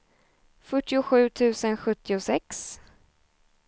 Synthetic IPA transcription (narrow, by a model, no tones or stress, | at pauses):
fœʈːɪʊɧʉ̟ːt̪ʰʉ̟ːsənɧɵt̪ːɪʊsɛks